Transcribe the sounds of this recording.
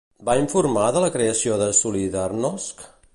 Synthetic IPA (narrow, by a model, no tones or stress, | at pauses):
baiɱfuɾmaðələkɾeəsioðəsuliðarnɔsk